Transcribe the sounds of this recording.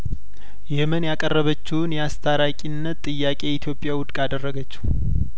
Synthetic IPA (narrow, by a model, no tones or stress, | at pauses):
jɛhmənjakʼərːəβət͡ʃːuwnjɛast̪ʰaɾakʼinːət̪ʼːɨjːakʼe̞it̪ʰjo̞pʼjawʊd̪kʼad̪ərːəɡət͡ʃːɪ̥